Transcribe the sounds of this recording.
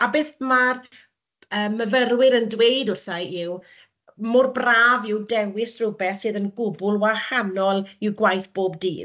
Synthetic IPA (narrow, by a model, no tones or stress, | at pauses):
abeːθmar | əːmːəvərwɪɾəndwejdʊrθaɪw | mʊrbraːvɪwdɛwɪsrʊbɛθsɨːðənɡʊbʊlˠwahanɔlˠɪwɡwajθb̥oːbdḭː